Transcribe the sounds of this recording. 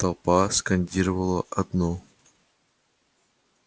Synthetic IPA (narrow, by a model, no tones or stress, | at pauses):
t̪ɐlˠpaskɐnʲdʲiɾəvəlˠəʔɐd̪no